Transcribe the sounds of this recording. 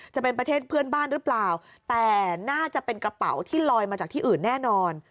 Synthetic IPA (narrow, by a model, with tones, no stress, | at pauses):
t͡ɕa˨˩pe˧npɾa˧t̪ʰeː˥˩t̪̚pʰɯ˥˩ənbaː˥˩nɾɯ˦˥plaː˨˩w | t̪ɛː˨˩naː˥˩t͡ɕa˨˩pe˧nkɾa˧pa̰˩˦wt̪ʰiː˥˩lɔː˧jmaː˧t͡ɕaː˨˩k̚t̪ʰiː˥˩ʔɯː˨˩nːɛː˥˩nɔː˧n